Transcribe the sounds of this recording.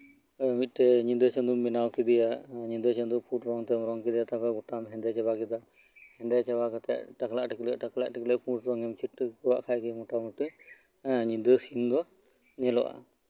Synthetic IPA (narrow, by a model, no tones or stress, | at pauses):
mit̪̚ˀʈɛɲind̪ət͡ʃɛnd̪umːinawkid̪ɛjaɲind̪ət͡ʃənd̪upʰuʈɾɔŋt̪ɛmɾɔŋkid̪ɛjat̪apaɡɔʈamɦɛnd̪ɛt͡ʃɛbakid̪a | hɛ̃nd̪ɛt͡ʃɛbakat̪ɛ̰ʔʈaklaʔʈikliaʔʈakla̰ʔʈiklɛpuɾsɾɔŋɛmt͡ʃʰiʈːkuwa̰ʔkʰajkimɔʈamuʈə | ɲind̪əsind̪ɔ | nɛlɔ̰ʔa̰